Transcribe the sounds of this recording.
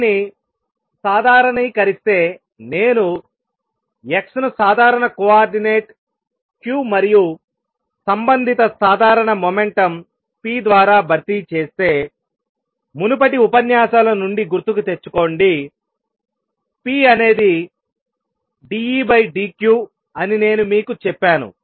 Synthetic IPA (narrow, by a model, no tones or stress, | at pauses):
ni | saːd̪ʱaːɾɐɳɐjkɐɾist̪e̞ː | ne̞ːnu | eksɐnusaːd̪ʱaːɾɐɳɐkuaːɾɖine̞ːʈ | kjuːmɐɾiju | sɐmbɐnd̪ʱit̪ɐsaːd̪ʱaːɾɐɳɐmome̞ɳʈɐm | piːd̪ʋaːɾaːbʱɐɾt̪it͡ʃeːst̪e̞ː | munup̬ɐʈiupɐnjaːsaːlɐnuɳɖiɡuɾt̪ːukut̪e̞t͡ʃːu̥ko̞ːɳɖi | piːɐne̞ːd̪i | ɖiiːbɐjɖiːkjuː | ɐnine̞ːnumiːkut͡ʃɛpːaːnṵ